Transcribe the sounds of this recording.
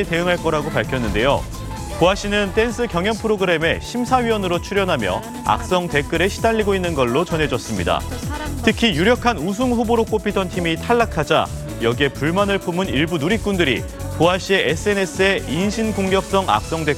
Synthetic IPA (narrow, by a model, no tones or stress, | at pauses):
ete̞ɯŋɦaɭk͈ʌɾaɡopaɭkʰjʌnːɯnde̞jo̰ | koaɕ͈inɯnt͈e̞nsʰɯkjʌŋjʌnpʰɯɾoɡɯɾe̞me̞ɕʰimsʰaɥiwʌnɯɾot͡ɕʰuɾjʌnɦamjʌ̰ | a̰k̚s͈ʌŋte̞k͈ɯɾe̞ɕʰi̥daʎːiɡoinːɯnɡʌɭːot͡ɕʌnɦe̞d͡ʑʌs͈ɯmɲida̰tʰɯkʰijuɾjʌkʰanus̬ʰuŋɸuboɾok͈opʰitʰʌntʰimitʰaɭːakʰad͡ʑa̰ | jʌɡie̞puɭmanɯɭpʰumɯniɭbunuɾik͈undɯɾḭ | koaɕ͈ʰie̞ʔes͈ʰɯe̞ne̞s͈ʰɯe̞inɕʰinkoŋɡjʌk̚s͈ʌŋa̰k̚s͈ʌŋde